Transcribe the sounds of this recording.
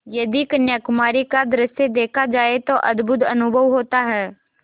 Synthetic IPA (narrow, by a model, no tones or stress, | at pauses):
jɐd̪ikənjakʊmaːɾikad̪ɾɪsjed̪eːkʰad͡ʒaːet̪oʔɐd̪bʱʊt̪ɐnʊbʱəʋɦoːt̪aɦɛː